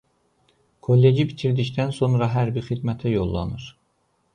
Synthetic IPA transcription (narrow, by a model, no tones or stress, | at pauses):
kʰolːe̞d͡ʒibit̪ʰiɾd̪icd̪ænso̞nɾɑɦæɾbixid̪mæt̪ʰæjolˠːɑ̰nɯɾ